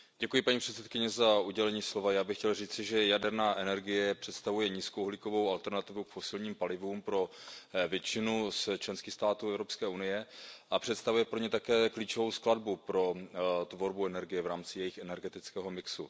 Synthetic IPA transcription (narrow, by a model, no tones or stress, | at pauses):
ɟɛkujɪpaɲiːpr̥ɛt̪sɛt̪̚kɪɲɛzaʔuɟɛlɛɲiːslo̞vajaːbɪxcɛlriːt͡sɪʒɛjadɛɾnaːʔɛnɛɾɡɪjɛpr̝̥ɛt̪st̪avujɛɲiːskowɦlɪko̞vo̞walt̪ɛɾnat̪ɪvukfo̞sɪlɲiːmpalɪvuːmpɾo̞vjɛt͡ʃɪnust͡ʃlɛnskɪxst̪aːt̪uːɛvɾo̞pskɛːunɪjɛʔapr̝̥ɛt̪st̪avujɛpɾoɲɛt̪akɛːkliːt͡ʃovowskladbupɾo̞t̪vo̞ɾbuɛnɛɾɡɪjɛvɾaːmt͡sɪjɛjɪxɛnɛɾɡɛt̪ɪt͡skɛːɦo̞mɪksu